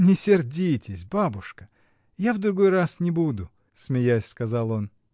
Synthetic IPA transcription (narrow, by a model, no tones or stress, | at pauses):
nʲɪsʲɪrdʲitʲɪsʲbabʊʂkə | javd̪ɾʊɡo̞jrasnʲɪbud̪ʊ | smʲɪjasʲskɐzalˠo̞n